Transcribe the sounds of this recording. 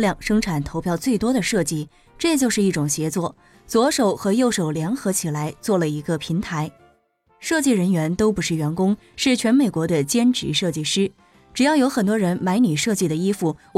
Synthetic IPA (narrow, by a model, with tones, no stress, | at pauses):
ljɑ˥˧˩ŋʂɤ˥ŋʈ͡ʂʰa˨˩nt̪ʰo˧˥ʊpʰjɑ˥˧ʊt͡swe˥˩ɪt̪wɔ˥ɾə˨ʂɤ˥˧t͡ɕi˥˩ | ʈ͡ʂɤ˥˧t͡ɕjo˥˧ʊʂɻ̩˥˧i˥˩ʈ͡ʂʊ˨˩ŋɕjɛ˧˥t͡swɔ˥˩ | t͡swɔ˧˥ʂo˨˩ʊxɤ˧˥jo˥˩ʊʂo˨˩ʊljɛ˧˥nxɤ˧˥t͡ɕʰi˨˩la˧˥ɪt͡swɔ˥˩lə˩i˧˥ɡə˧pʰi˧˥ŋt̪ʰa˧˥ɪ | ʂɤ˥˧t͡ɕi˥˩ɻə˧˥nɥɛ˧˥nt̪o˥ʊpu˧˥ʂɻ̩˥˩ɥɛ˧˥nkʊ˥ŋ | ʂɻ̩˥˩t͡ɕʰɥɛ˧˥nme˨˩ɪkwɔ˧˥d̪ə˧t͡ɕjɛ˥nʈ͡ʂɻ̩˧˥ʂɤ˥˧t͡ɕi˥˩ʂɻ̩˥ | ʈ͡ʂɻ̩˨˩jɑ˥˩ʊjo˧˥ʊxə˨˩nt̪̬wɔ˥ɻə˧˥nma˧˥ɪni˨˩ʂɤ˥˧t͡ɕi˥˩d̪ə˩i˥fu˥˩